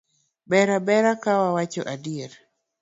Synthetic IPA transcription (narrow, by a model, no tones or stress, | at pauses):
bɛɾabɛɾakawawat͡ʃɔ̰ʔadieɾ